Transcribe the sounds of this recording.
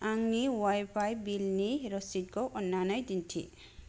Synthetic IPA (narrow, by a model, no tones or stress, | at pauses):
aŋniwajpʰajbilniɾɔsit̚koʔɔnːanajdintʰḭ